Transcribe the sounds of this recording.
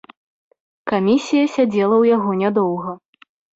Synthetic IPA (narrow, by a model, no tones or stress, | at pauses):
kamʲisʲijɐsʲad͡zʲɛlˠɐwjaɣɔnʲad̪ɔwɣɐ